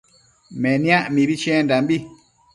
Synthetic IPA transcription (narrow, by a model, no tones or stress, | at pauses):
mɛnĩãʔmibit͡ʃɛ̃ndambi